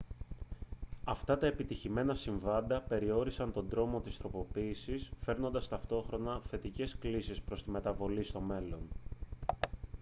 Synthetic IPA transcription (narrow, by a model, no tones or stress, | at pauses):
ɐft̪ɐt̪ɐe̞pit̪içime̞nɐsiɱvɐnd̪ɐpe̞ɾio̞ɾisɐnt̪o̞nd̪ɾo̞mo̞t̪ist̪ɾo̞po̞piːsisfe̞ɾno̞nd̪ɐst̪ɐft̪o̞xɾo̞nɐθe̞t̪ice̞sklisispɾo̞st̪ime̞t̪ɐvo̞list̪o̞me̞lo̞n